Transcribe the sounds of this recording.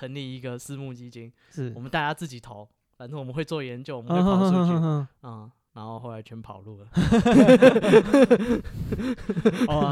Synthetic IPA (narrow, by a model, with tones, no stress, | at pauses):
ə˧˦ŋli˥˩i˧˦˥ɡə˨s̩˥˦mu˥˧t͡ɕi˥t͡ɕi˥ŋ | ʂ̩˥˩wɔ˨mə˦nt̪a˥˧˩t͡ɕja˦˥t͡s̩˥˩t͡ɕi˨˩˦t̪ʰo˨˦ʊ | fa˥nə˥˩wɔ˨˩mə˦nxwe˥˧ɪt͡swɔ˥˩jɛ˧˦nt͡ɕjo˥˨ʊ˨˩ə˦wɦɔ˥˧˥ɔ˩˧˥ɦɔ˥˧˥ | na˧˥nxo˥˧ʊxo˥˩ʊa˧˥ɪt͡ɕʰɛ˧˥˦pʰɑ˨˩ʊlu˥˩lə˩